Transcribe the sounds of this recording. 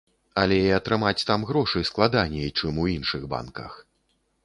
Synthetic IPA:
ɐlʲɛiɐt̪ɾɨmat͡sʲt̪amɣɾɔʂɨjsklˠad̪anʲɛjt͡ʂɨmuinʂɨɣba̰nkɐ̰x

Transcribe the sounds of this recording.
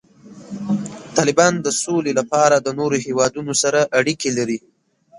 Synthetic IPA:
t̪ɑlɪbɑnd̪əsolelapɑɾad̪ənoɾohewɑd̪unosaɾaʔaɽikelaɾi

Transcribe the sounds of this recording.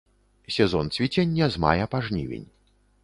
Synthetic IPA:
sʲɛzɔnt̪sʲvʲit͡sʲɛnʲːɐzma̰jɛpaʐnʲḭvʲḛnʲ

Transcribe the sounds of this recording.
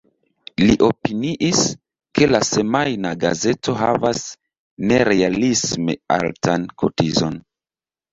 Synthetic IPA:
liʔo̞piniʔis | ke̞lase̞majnaɡa̰ze̞to̞ɦa̰vas | ne̞ɾe̞alisme̞̰a̰ltankʰo̰tizo̞̰n

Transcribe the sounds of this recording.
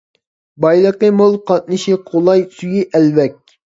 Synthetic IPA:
bɑjlˠəqəmolˠqʰɑt̪̚nɨʃiqʰolˠɑjsyjiʔɛlvɛk̚ʲ

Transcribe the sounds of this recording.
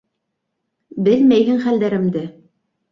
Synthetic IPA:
bɘlmæjɦɘŋχæld̪æɾɘ̆md̪ɘ

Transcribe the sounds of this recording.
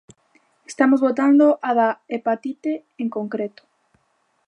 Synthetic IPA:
est̪amozβot̪and̪oʔaðaepat̪it̪e | eŋkoŋkɾet̪o̥

